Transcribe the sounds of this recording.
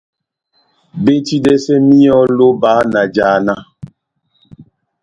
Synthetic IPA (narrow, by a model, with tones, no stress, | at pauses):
be˦ti˦dɛ˦sɛ˦mi˦ɔ˦lo˦ba˨˦na˨d͡ʒaː˨na˦